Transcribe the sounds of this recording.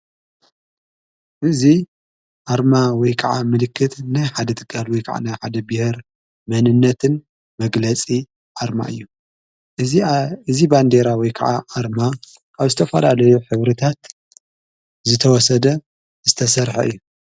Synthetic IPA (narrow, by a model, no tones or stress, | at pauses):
ʔɨzi | ʔaɾmawɔjkʰɐʕamɨlɨkʰːɨt̪najħad̪ɐt̪ʰɨ̥kʰʼːalwɔjkʰa̰ʕa̰najħa̰d̪ɐbɨhɨɾ | mɐnɨnːɐt̪ʰɨn | mɐɡlɐt͡sʼi | ʔaɾma̰ʔɨjːu | ɨziband̪e̞ɾawɔjkʰɐ̰ʕaʔaɾma | ʔaβzɨt̪ʰɐfɐlalɐjuħɨβɾɨt̪ʰat̪ | zɨt̪ʰɐwɔsɐd̪ɐ | zɨt̪ʰɐsɐɾħɐ̰ʔɨ̰jːu